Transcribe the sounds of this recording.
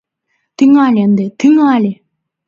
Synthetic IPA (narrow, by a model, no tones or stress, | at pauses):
t̪iŋalend̪et̪ʰiŋale